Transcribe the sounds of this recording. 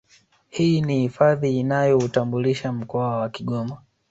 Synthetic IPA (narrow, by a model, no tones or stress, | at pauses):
hiːnihifaðiːnajɔutambuliʃam̩kɔawakiɠɔma